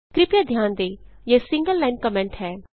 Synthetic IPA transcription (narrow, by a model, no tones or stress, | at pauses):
kɾɪpjad̪ʱjaːnd̪eːjeːsɪ̃ŋɡəlːaːɪnkəmɛ̃ɳʈhɛː